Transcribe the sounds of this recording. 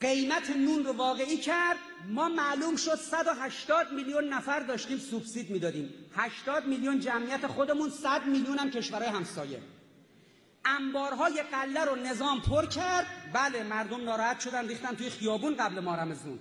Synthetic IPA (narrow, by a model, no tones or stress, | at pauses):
ɢe̞jmæt̪ʰe̞nuːnrovɒːɣe̞iːcʰæɾd̪ | mɒːmæluːmʃo̞d̪̥sæd̪oɦæʃt̪ɒːd̪̚milijunːæfæɾd̪ɒːʃt̪iːmsubsiːd̪miːd̪ɒːd̪iːmhæʃt̪ɒːd̪miljund͡ʒæmʔijæt̪ʰe̞χo̞d̪e̞munsæd̪miljuːnæmcʰe̞ʃvæɾɒːjeæmsɒːje̞̰ | ʔæmbɒːɾɦɒːje̞ɢælːæɾone̞zɒːmpʰoɾcʰæɾd̪bælemæɾd̪o̞mnɒːɾɒːhæt̪ʃo̞d̪ænriːxt̪ænt̪uːjexijɒːbuːnɢæblemɒːɾæme̞zṵːn